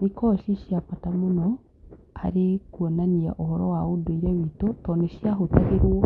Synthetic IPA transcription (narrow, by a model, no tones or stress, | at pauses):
nikɔʃiɕiapatamonɔ | a̰ɾekuɔnania̰ʔɔhɔɾɔwaodoiɾɛwitotɔneɕjaɦotaɣeɾwɔ